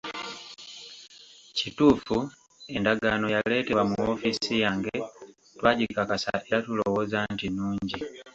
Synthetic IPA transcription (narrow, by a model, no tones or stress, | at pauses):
cituːfu | e̞ndaɡano̞jale̞ːte̞wamuofisijaːŋɡe̞ | twaːɟikakasa̰ʔeɾatulowozantinuːɲɟi